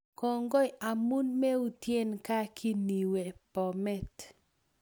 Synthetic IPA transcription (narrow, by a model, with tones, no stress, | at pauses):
kɔ˨ŋɡɔ˦ja˨mu˦nme˦u˦tje˦nka˦kʰi˦ni˨we˨pɔ˨mɛ˦˨t